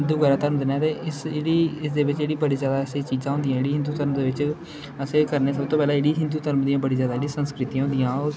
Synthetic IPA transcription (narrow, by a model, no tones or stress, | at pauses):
ɦɪnd̪uːɡɛːɾaːt̪əɾmd̪ɪnaːt̪eːɪseːɽiːɪsd̪eːʋɪt͡ʃeːɽiːbəɽiːzjaːd̪aːseːt͡ʃiːzãːɦʊ̃ːnd̪ijãːeːɽiːɦɪnd̪uːt̪əɾmd̪eːʋɪt͡ʃ | əseːkəɾneːs̬əb̚t̪oːpɛːlaːɪːɽiːɦɪnd̪uːt̪əɾmd̪ijãːbəɽiːzjaːd̪aːeːɽĩːsənskɾɪt̪iːãːɦʊ̃nd̪ijãːoːɾ